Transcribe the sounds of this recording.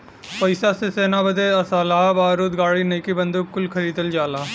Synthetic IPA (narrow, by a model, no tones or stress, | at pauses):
pɐɪsaseseːnabɐd̪eɐsaːlaːbaːɾuːt̪ɡaːɽineːkibɐ̃nd̪ukːʊlkʰɐɾiːd̪əld͡ʒaːlaː